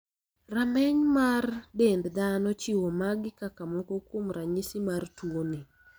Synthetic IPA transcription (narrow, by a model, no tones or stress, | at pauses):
ramɛɲmardendd̪anɔt͡ʃɪwomaɡɪkakamɔkokwomɾaɲɪsɪmartwone